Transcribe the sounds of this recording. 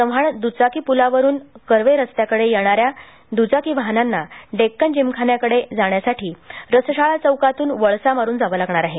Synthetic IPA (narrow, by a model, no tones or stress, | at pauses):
sə̃ʋ̤aɳd̪ut͡sakiːpulaʋəɾuːnkəɾʋeɾəst̪jakəɽejeɳ̃aɾja | d̪ud͡zakiːʋaɦnanːaɖekːənd͡ʑimkʰanjakəɽed͡zaɳjasaʈiːɾəsəɕaɭat͡səwkat̪uːnʋəɭsamaɾuːnd͡zaʋəːlaɡɳaɾaɦe